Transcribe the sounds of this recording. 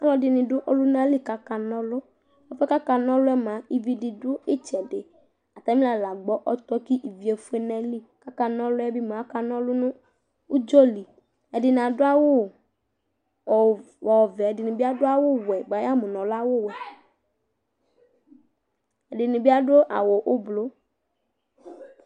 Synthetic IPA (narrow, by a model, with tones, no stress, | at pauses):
a˦lɔ˨dɪ˨nɪ̃˨dʊ˦ʔɔ˦lʊ˦na˦li˦ka˨ka˨nɔ̃˦lʊ˦ | ɔ˨fɛ˦ka˦ka˨nɔ̃˦lʊ˦ɛ˦mã˨i˦vi˨dɪ˨dʊ˦ɪ˦t͡ʃɛ˨dɪ˨ | a˨t̪a˨˦mi˦la˨la˨ɡ͡bɔ˦ʔɔ˦t̪ɔ˦ki˦ʔi˨vi˨e˨fu˦ɛ˦nɛ̃˦li˦ka˦ka˨nɔ̃˦lʊ˦ɛ˦bi˦m˨a˦ka˨nɔ̃˦lʊ˦nʊ̃˦ | ʊ˦d͡ʒɔ˦li˨ | ɛ˨dɪ˨n˨ã˨dʊ˦a˦wʊ˦˨ | ɔ˨ | wɔ˨vɛ˨ɛ˨dɪ˨nʊ̃˨bi˦a˦dʊ˦a˦wʊ˦wɛ˨ɡ͡ba˨ja˦mʊ̃˨nɔ̃˨la˦wʊ˦wɛ˨ | ɛ˨dɪ˨nʊ̃˨bi˦a˦ɖo˦ʔa̰˨wo˨ʔʊ˦blo˦